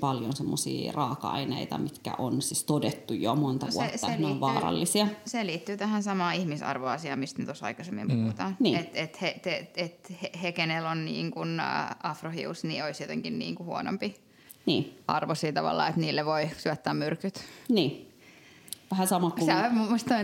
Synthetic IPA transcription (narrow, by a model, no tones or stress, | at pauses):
pɑljonsemːosḭːrɑːkɑɑ̰inḛit̪ɑ̰mit̪kæ̰ʔonsist̪odet̪ːujjomont̪ɑṵoesːɑeneoʋʋɑːrɑ̰lːisiɑseliːt̪ːyːt̪æhænsɑmɑːihmisɑ̰rʋoɑsiɑːmist̪net̪osɑ̰ikɑsemːḭmpuhut̪ɑːnniːet̪et̪heeet̪hehekenelonnḭːŋkunɑfrohḭusnioisjot̪eŋkinnḭːŋkuhuono̰mpi | niːɑ̰rʋosiːt̪ɑ̰ʋɑ̰lːɑ̰ːet̪niːlːeʋoisyæt̪ːæːmmyrkyt̪niː | ʋæhæsɑmɑkusemumːost̪on